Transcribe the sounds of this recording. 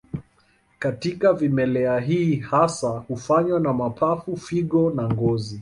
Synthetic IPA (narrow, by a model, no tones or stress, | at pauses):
katikavimɛlɛaɦiːhasahufaɲwanamapʰafufiɠɔnaŋɡɔzi